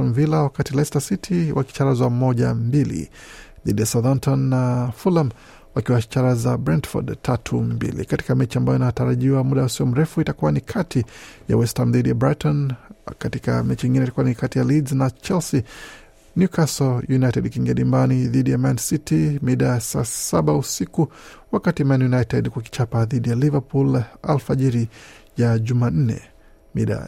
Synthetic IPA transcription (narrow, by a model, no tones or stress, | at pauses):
mvilawakatilɛstasitʰiwa̰ki̥t͡ʃaɾazamɔʄa̰mbilḭðiɗijasaðantʰɔnːafulam | wakiwaʃi̥t͡ʃaɾazabɾandfɔ̰dtʰatʰumbḭlḭkati̥kamɛt͡ʃiambajɔinataɾaʄiwamuɗausiɔm̩ɾɛfuitakuwanikʰatʰija̰wɛstamðiɗijabɾatɔnkatika̰mɛt͡ʃiiŋɡinɛitakuwanikatijalidznat͡ʃɛlsi | njukasɔjunajtɛɗkiŋɡɛɗimbaniðiɗijamansitimiɗasa̰saɓausikuwakatimanjunajtɛdkuak̬i̥t͡ʃapaðiɗijalivapula̰lfaʄiɾi | jaʄuman̩nɛ̰ | miɗa̰